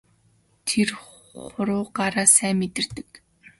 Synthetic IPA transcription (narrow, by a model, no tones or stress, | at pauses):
t̪ʰer | χʊɾʊːɢaɾaːsæːmet̪ɪ̆r̥t̪ɘ̆k